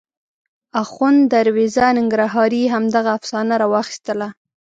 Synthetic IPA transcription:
axund̪aɾwizanɪŋɡɾaɦɑɾiɦamd̪aɣaːfsɑnaɾɑwɑxi̥st̪əla

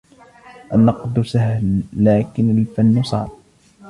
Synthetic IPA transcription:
ʔanːɑqd̪sahlːaːkɪnalfanːsˤɑ̰ːɾ

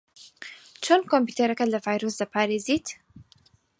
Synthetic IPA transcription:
t͡ʃʰonkompuːt̪ʰeɾɐkɐlɐvaːjɾosd̪ɐpʰaːɾeːziːt̪

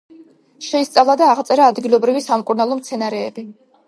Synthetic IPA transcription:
ʃɛist̪sʼavlˠad̪aːʁt̪sʼɛɾaːd̪ɡilˠɔbɾivisamkʼuɾnalˠɔmt̪sʰɛnaɾɛːbi

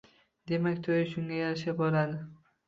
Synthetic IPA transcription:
d̪̥e̞makʲt̪ʰojɪʃʊŋɡʲajaɾʃap̚boɾad̪ɪ

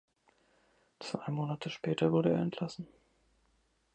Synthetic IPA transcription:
t͡sv̥a̰ɪmoːnatʰəʃpʰɛːtʰɐvʊɐɾəeːɐɛntʰlasn̩

